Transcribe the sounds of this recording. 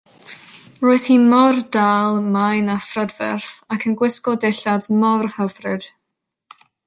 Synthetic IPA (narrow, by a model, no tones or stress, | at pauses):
roɨθhimɔrdaːlˠmajnafrədvɛ̰rθakʰənɡwɪskɔdeɬadmɔrhəvrɨd̥